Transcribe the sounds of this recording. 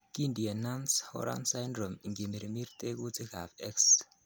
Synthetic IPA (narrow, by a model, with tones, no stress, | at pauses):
ki˦ndi˨e˨na˦nshɔ̰˦ɾa̰˦nsa˦jndɾo˨mi˨ŋɡi˨me˨ɾmi˦ɾt̪e˦ku˦t͡si˦ka̰˨fɛ˦ks